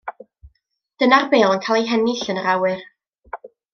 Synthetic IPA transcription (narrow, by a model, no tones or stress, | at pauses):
d̥ənarbeːlˠənkʰaːlˠejɦɛnɪɬənəɾawɨr